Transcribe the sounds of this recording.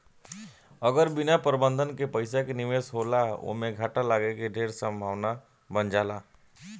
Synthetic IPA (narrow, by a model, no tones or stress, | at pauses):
əɡəɾbɪnapɾbə̃nd̪ʱənkepəɪsakenɪʋeːsɦoːlao̰ɦmẽɡʱaːʈalaːɡekeɖʱeːɾsə̃mbʱaːʋna | bənd͡ʒaːlaː